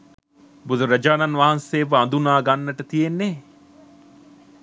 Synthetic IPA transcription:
bud̪uɾɐd͡ʒaːnɐnʋaɦanseːʋəɐnd̪unaːɡanːəʈət̪ijenːe

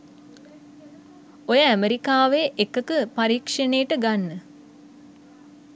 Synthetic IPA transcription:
ojəæmeɾikaːʋeʔekəkəpaɾiːkʂənejːʈəɡanːə

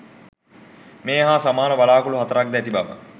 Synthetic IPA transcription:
meːɦaːsamaːnəʋalaːkuluɦat̪əɾak̚d̪ɛt̪ibamə̰

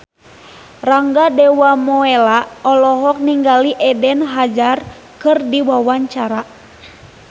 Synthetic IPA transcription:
raŋɡadɛwamɔɛlaɔlɔɦɔk̚niŋɡaliʔɛdɛnɦad͡ʒar | kɨrdiwawaɲt͡ʃaɾa

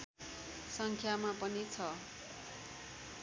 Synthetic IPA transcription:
sʌŋkʰjamapʌnit͡sʰʌ

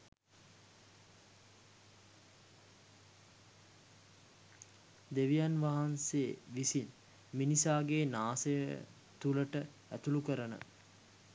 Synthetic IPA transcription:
d̪eʋijanʋaɦanseːʋisin | minisaːɡeːnaːsəjə̰ | t̪uləʈə | æt̪ulukəɾənə̰

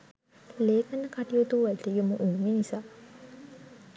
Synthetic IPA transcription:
leːkənːəkaʈijot̪uʋæt̪ejoməʔuːŋenisaː

